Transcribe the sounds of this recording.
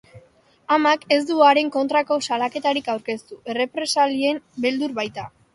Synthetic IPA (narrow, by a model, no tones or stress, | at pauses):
amake̞zd̪uaɾe̞ŋko̞nt̪ɾako̞salake̞t̪aɾikawɾke̞st̪ue̞re̞pɾe̞salie̞mbe̞ld̪uɾβajt̪a